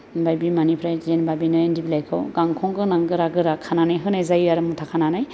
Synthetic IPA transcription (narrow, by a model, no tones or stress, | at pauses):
bajbimanipʰɾajzenbabinɔjandibilajkʰɯwɡaŋkʰɔŋɡɯnaŋɡɯɾaɡɯɾakʰananajɦɯnajzajiaɾɯmutʰakʰananaj